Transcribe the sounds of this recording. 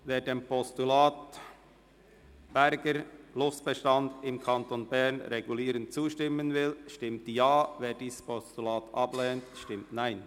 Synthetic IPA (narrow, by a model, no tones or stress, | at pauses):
veːɾdeːmpʰɔstulaːt | b̥ɛɾɡəɾlʊstb̥ɛʃtɑndɪmkʰɑntonbɛɹnɾeɡuliːɾənt̚t͡suːʃtɪmːənvɪlʃtɪmtjɑːveːɾdiːsspʰɔstulaːtʔɑblɛːntʃtɪmtnaɪn